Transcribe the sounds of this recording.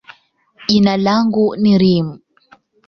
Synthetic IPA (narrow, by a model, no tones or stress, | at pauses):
ʄinalaŋɡuniɾimu